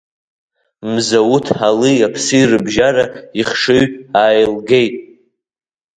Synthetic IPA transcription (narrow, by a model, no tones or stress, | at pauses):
mzawutʰħalɨjapʰsɨirɨbʒaɾaiχʂɨɥtʼaːjlɡe̞jtʼ